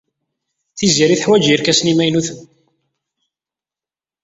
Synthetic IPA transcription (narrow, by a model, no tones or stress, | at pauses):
θiziɾiθəħwæd͡ʒiɾkæsnimæjnuθən